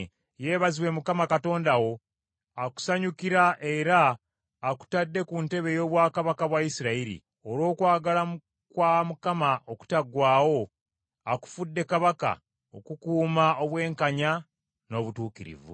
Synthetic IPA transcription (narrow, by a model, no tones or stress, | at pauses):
je̞ːβaziwe̞mukamakato̞ːndawo̞ | aku̥saɲukiɾaʔeɾaː | ku̥tadːe̞kunte̞βe̞jo̞ːβwaːkaβakaβwajisiɾaiɾḭ | o̞ɾo̞ːkwaːɡalam | kwamukamaʔoku̥taɡwaːwo̞ | aku̥fudːe̞kaβaka̰ | o̞kukuːmaoβwe̞ːŋkaɲa | no̞ːβutuːkiɾḭvṵ